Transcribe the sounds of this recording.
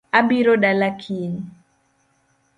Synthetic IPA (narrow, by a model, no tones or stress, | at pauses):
abiɾoɗalakʰin